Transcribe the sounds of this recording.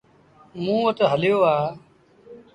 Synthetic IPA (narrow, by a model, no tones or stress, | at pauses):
mũːʋət̪ɦəljoːaː